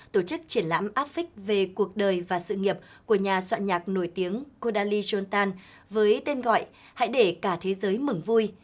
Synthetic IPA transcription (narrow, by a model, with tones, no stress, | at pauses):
t̪o˧˩t͡ɕɨ˦˥k̚t͡ɕi˧˩ənla̰ː˧˥mʔaː˦˥p̚fï˦˥k̟̚ve˨˩ku˨˩ək̚ɗəː˨˩jvaː˨˩sɨ̰˧˨ŋi˨˩əp̚ku˧˩əɲaː˨˩swa̰ː˧˨nɲaː˨˩k̚no˧˩jt̪i˨˦əŋko˧ɗaː˧li˧zɔ˧nt̪aː˧n | vəː˨˦jt̪e˧nɣɔ̰˧˨jʔ | ha̰˧˥jɗe˧˩kaː˧˩t̪ʰe˨˦zəː˨˦jmɨ˨˧˩ŋvu˧j